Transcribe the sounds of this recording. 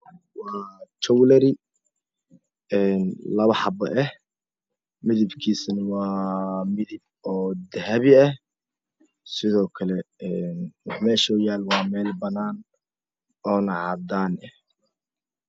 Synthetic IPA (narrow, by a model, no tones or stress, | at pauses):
wɑːt͡ʃɔwlɐɾɪ | ɛːnlɐβɐħɑbɐʔɛh | mɪðɪbkʰiːsɐnɐwɑːmɪðɪb̚ɔːd̪ɐɦɐβɪɐh | sɪðɔːkʰɐlɛɛnwɑħmɛːʃɔːjaːlwɑːmɛːlbɐnːaːn | ɔːnɐʕɑd̪aːnɛ